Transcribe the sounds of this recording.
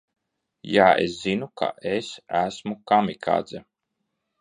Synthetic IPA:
jaːḛszinukʰa̰ʔesæsmukamʲikʰa̰ːd̪zɛ

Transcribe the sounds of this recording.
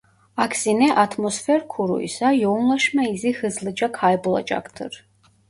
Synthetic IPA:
akʰsinɛʔat̪ʰmɔsfɛɾkʰuɾṵḭsajɔwnlˠɔʃmɛizixɨzlˠɨd͡ʒakʰajbulˠa̰t͡ʃʼa̰kʰt̪ʰɨ̰ɾ

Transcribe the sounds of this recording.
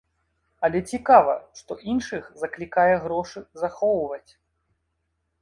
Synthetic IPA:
ɐlʲɛt͡sʲikavɐ̰ʂt̪ɔʔinʂɨxzɐklʲikajɛɣɾɔʂɨzaxɔwvɐt͡sʲ

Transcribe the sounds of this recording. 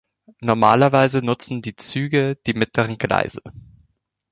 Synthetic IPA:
nɔɐmaːlɐvaɪzənʊt͡sn̩diːt͡syːɡəd̥iːmɪtləʁ̞ənɡla̰ɪzə

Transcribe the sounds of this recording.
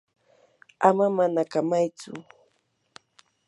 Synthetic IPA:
amamanakamajt͡sʊ̰

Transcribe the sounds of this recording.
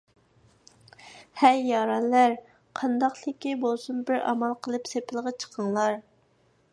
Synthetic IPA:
hɛjːɑɾɑnlæɾ | qʰɑnd̪ɑqt̪ɪkʲibolˠsunbɪɾʔɑ̰mɑlˠqʰəlˠɨpsepʰɪlˠəʁɑt͡ʃʰə̥qʰəŋlˠɑɾ

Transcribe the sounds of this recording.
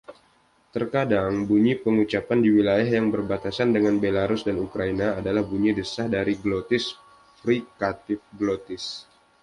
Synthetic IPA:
t̪ərkadaŋbuɲipəŋut͡ʃapandiwilajaɦjaŋbərbat̪asandəŋanbelaɾʊsdanukɾainaːdalahbuɲidəsahdaɾiɡlot̪ɪs | fɾikat̪ɪfɡlot̪ɪs

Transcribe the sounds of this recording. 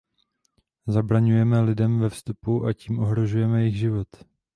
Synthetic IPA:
zabɾaɲujɛmɛlɪdɛmvɛfst̪upuʔaciːmʔo̞ɦɾo̞ʒujɛmɛjɪxʒɪvo̞t̪

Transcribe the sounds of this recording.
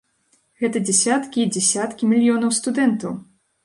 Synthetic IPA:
ɣɛt̪ɐd͡zʲɛsʲat̪kʲiːd͡zʲɛsʲat̪kʲimʲilʲjɔnɐwst̪ud̪ɛnt̪ɐw

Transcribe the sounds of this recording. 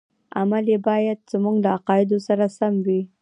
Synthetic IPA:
a̰malebɑjad̪̚zamuɡlaaqɑjɪd̪osaɾasamwi

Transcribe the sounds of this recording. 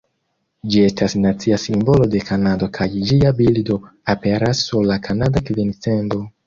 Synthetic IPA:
d͡ʒie̞stasnat͡siasimbo̞lo̞de̞kʰanado̞kʰajd͡ʒiabildo̞ape̞ɾasːuɾlakʰanadakvint͡sendo̞

